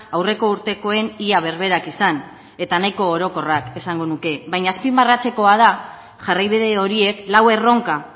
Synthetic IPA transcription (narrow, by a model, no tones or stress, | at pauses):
awre̞ko̞uɾt̪e̞ko̞e̞niaβ̞e̞ɾβ̞e̞ɾakisan | e̞t̪anajko̞ːɾo̞ko̞rake̞saŋɡo̞nuke̞βajɲaspimbarat͡se̞ko̞að̞a | ʝarajβiðe̞o̞ɾie̞klawe̞ro̞ŋka